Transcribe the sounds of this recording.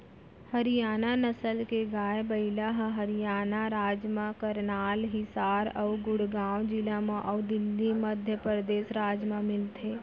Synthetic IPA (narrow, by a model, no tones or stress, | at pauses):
hɐɾijaːnanəsəlkeɡaːebəɪlaɦɦɐɾijaːnaɾaːd͡ʒmãkəɾnaːlɦɪsaːɾɔːɡʊɽɡaːwd͡ʒiləmẽʔɔːd̪ɪlːiməd̪ʱjəpɾəd̪eːsɾaːd͡ʒmẽmɪlt̪ʰeː